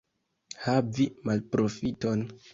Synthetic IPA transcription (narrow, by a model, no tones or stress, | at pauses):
havimalpɾʔo̞fito̞n